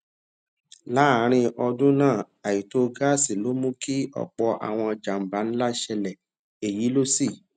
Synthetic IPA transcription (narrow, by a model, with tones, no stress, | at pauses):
la˨˦˨ɾ̃ĩ˧ʔɔ˧dũ˦nãː˦˨ | a˨i˨to˦ɡa˦˨si˨lo˦mũ˦ki˦ɔ̰˨k͡pɔ˧ʔa̰˨w̃ɔ̃˧d͡ʒa˨m̩˨ba˨˦n̩˦la˦ʃɛ˧lɛ˨ | e˨ji˨˦lo˦si˦˨